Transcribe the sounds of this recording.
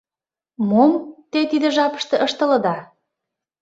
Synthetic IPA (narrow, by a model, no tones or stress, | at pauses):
momt̪et̪id̪ə̆ʒɑpə̥̆ʃt̪ɤ̆ʔəʃt̪ə̆lə̆d̪ɑ